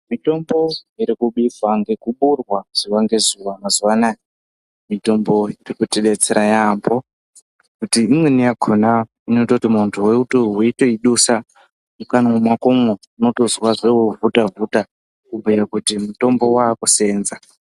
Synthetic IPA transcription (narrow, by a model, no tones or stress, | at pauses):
mito̞mbo̞iɾikuɓifaŋɡe̞kuɓurwaʐ̥iwaŋɡe̞zuwamazuwana | mito̞mbo̞irikutiɗet͡seɾajaːmbo | kutiːmwe̞nijaɡʱona | inototimuntʰuweutoweito̞iɗusa | ukanwumwakomwe | uno̞to̞zwaʐewovutavuta | kubʱujakutimuto̞mbo̞waːkuse̞ːnza